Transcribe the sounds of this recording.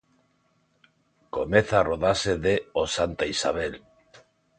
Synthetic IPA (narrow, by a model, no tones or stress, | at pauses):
komeθaːroðaseðeosant̪aisa̰βel